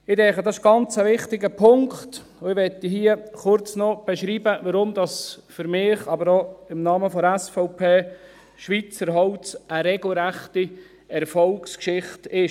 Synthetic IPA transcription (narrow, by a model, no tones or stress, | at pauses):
ɪdɛŋχədɑsɪʃɡ̥ɑnt͡səʋɪχtɪɡəpʰʊŋkχt | ʊɪʋɛtiɦiːəχʊɾt͡snɔb̥ɛʃɾiːbəʋɑɾʊmd̪ɑsfʏɾmɪːχɑbəɾoɪmnɑːməfɔdæsfɔʊpʰeː | ʃʋit͡səɾɦɔʊt͡səɾɛɡ̥l̩ɾæχti | ɛɾfɔlkskʃɪχtɪʃ